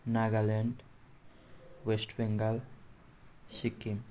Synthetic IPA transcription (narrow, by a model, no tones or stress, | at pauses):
naɡaleɳɖ | wesʈʰbeŋɡal | sikːim